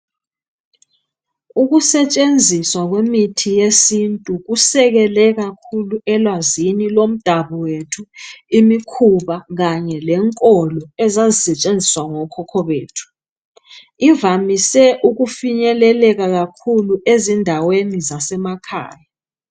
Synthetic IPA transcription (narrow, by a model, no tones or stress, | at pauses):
uɣusɛt͡ʃʼend͡zʱiswaɣwemitʰijesintʼuɣusɛɣɛlɛɣakʰuluɛlwazinilom̩d̥ʱaβɔwetʰuimikʰuβaɣaɲɛlɛŋkʼɔlɔɛzazisɛt͡ʃʼend͡zʱiswaŋɔkʰɔkʰɔβeːtʰu̥ | ivamisɛʔuɣufiɲɛlɛlɛɣaɣakʰuluʔezindʱawenizasɛmakʰa̰ːja